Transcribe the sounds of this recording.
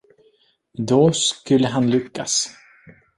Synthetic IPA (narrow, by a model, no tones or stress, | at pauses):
d̪ɔskɵlːəɦanlʏkːa̰s